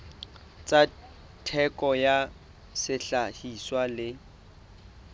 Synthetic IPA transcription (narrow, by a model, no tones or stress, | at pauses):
t͡sʼa | tʰɛkʼɔja | sɪɬahiswalɪ